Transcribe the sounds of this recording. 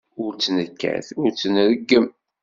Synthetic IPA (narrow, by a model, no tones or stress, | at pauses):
ʊɾt͡sːnəkːæ̰θʊɾt͡sːənɾəɡːəm